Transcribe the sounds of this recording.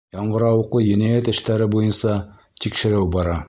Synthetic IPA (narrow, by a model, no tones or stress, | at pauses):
jɑɴɢɤ̆ɾɑwɤ̆qlˠɤjɘ̆næjæt̪ɘ̆ʃt̪æɾɘbujɤnsɑ | t̪ikʃɘ̆ɾɘwbɑɾɑ